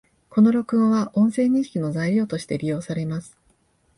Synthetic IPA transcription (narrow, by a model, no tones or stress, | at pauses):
ko̞no̞ɾʲo̞kɯ̟̃ɰ̃βaʔõ̞sẽ̞ːɲ̟ĩɕi̥kʲino̞zaiɾʲo̞ːt̪oɕi̥t̪e̞ɾʲijo̞ːsaɾe̞masɨ̥